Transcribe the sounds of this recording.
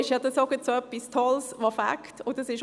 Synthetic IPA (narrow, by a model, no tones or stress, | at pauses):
ɪʃjɑd̪ɑsoɡət̪soœpːistʰɔlsʋɔfæ̰ktʊdɑsɪʃ